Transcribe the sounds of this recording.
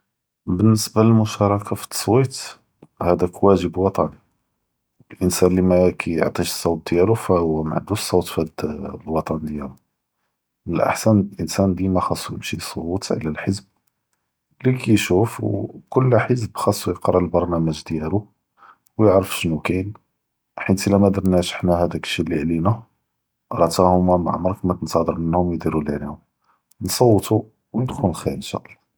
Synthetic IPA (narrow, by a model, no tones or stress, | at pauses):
bənːəsbaləlmʊʃɑɾˤɑkʰafi̥t̪ːɑ̥sˤwit̪ | hæd̪ækwæʒəbwɑt̪ˤɑn | əlʔənsænlimækʰæjə̰ʕt̪ˤiʃsˤːɑwt̪̚d̪jælufæhwæma̰ʕnd̪usˤːɑwt̪fæd̪lwɑt̪ˤɑnd̪jælu | əlʔa̰ħsænlʔənsænd̪imæxɑsˤːujəmʃisˤot̪ʕlælħəzb̚ | likæjʃufwkʊlːħəzbxɑsˤːujəqɾˤɑlbɑɾˤnæməʒd̪jælu | wjəʕɾəfʃnukæn | ħit̪əlːæmæd̪ɑɾˤnæʃə̥ħnæhæd̪ækʃiliʕlinæ | ɾˤɑt̪æhʊmæma̰ʕmɑɾˤkmæt̪ənsɑd̪əɾˤmənːhʊmjd̪iɾuləʕlihʊm | nsˤɑwːət̪u | wjəd̪xʊləlxinʃæ̰ʔlˤːɑ